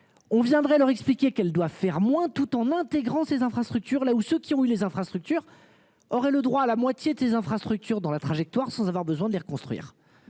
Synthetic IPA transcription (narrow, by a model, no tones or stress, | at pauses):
ɔ̃vjɛ̃d̪ʁɛlœʁɛksplikʲekɛld̪wavfɛʁmwɛ̃t̪ut̪ɑ̃nɛ̃t̪eɡʁɑ̃sezɛ̃fχast̪χyk̚t̪yʁlausøkʲiɔ̃ylezɛ̃fχast̪χyk̚t̪yːʁ | ɔʁɛləd̪ʁwaːlamwat̪jed̪əsezɛ̃fχast̪χyk̚t̪yʁd̪ɑ̃lat̪χaʒɛk̚t̪waʁsɑ̃zavwaʁbəzwɛ̃d̪əleʁəkɔ̃st̪χɥḭːʁ